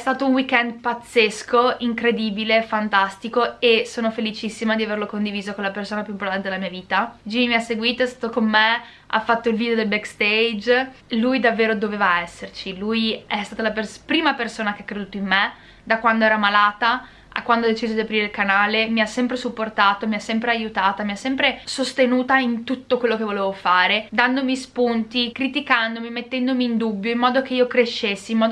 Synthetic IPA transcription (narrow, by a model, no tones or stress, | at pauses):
st̪aːt̪ounwikɛnd̪pat̪sːeskoiŋkɾed̪iːbilefant̪ast̪ikoesoːnofelit͡ʃisːimad̪iaverlokond̪iviːzokonlapersoːnapjuimp̬ort̪ant̪ed̪elamiːaviːt̪ad͡ʒiimiasːeɡwiːt̪oɛst̪aːt̪okomːe | ʔa̰fːat̪ːoilvid̪eod̪elbɛkst̪ejd͡ʒ | lujd̪avːeːɾod̪oveːvaɛsːert͡ʃilujɛst̪aːt̪alaperpɾiːmapersoːnak̟eakːɾed̪uːt̪oimːe | d̪akwand̪oɛːɾamalaːt̪a | a̰kwand̪oad̪et͡ʃiːzod̪iapɾiːɾeilkanaːlemiasːɛmpɾesupːort̪aːt̪omiasːɛmpɾeajut̪aːt̪amiasːɛmpɾesost̪enuːt̪aint̪ut̪ːokwelːokevoleːvofaːɾed̪and̪omispunt̪ikɾit̪ikand̪omimet̪ːɛnd̪omiːnd̪ubːjoimːɔːd̪ok̟eiːokɾeʃːesːiimːɔːd̪